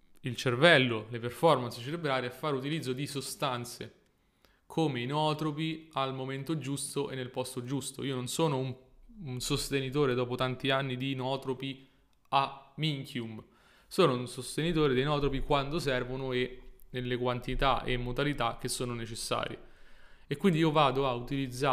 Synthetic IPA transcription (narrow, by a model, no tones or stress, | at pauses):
ilt͡ʃervɛlːoleperfɔrmanst͡ʃeɾebɾaːɾiɛfːaːɾeut̪ilid̪zːod̪isost̪ant̪se | kʰoːmeinɔːt̪ɾopialmoment̪od͡ʒust̪oʔenːelpɔst̪od͡ʒust̪oiːononsoːnoumsost̪enit̪oːɾed̪ɔːpot̪ant̪ianːid̪inɔːt̪ɾopi | amiŋkʰjum | soːnounsost̪enit̪oːɾed̪ejnɔːt̪ɾopikwand̪osɛrvonoenelːekwant̪it̪a̰ʔḛmːod̪alit̪ak̟ːesːoːnonet͡ʃesːa̰ːɾjḛ | ekwind̪iiːovaːd̪oaut̪ilid̪zːa